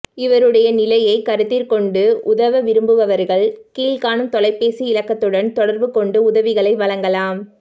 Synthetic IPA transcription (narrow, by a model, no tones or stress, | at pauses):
ɪʋɐɾɯɽɐjɐnɪlɐjɐɪkɐɾɯt̪ːɪɾkɔɳɖɯʔʊðɐʋɐʋɪɾɯmbɯʋɐʋɐɾɣɐɭkiːlkaːɳɯmt̪ɔlɐɪpːeːsiɪlɐkːɐt̪ːɯɽɐnt̪ɔɽɐɾbɯkɔɳɖɯʊðɐʋɪɣɐɭɐɪʋɐɭɐŋɡɐlaːm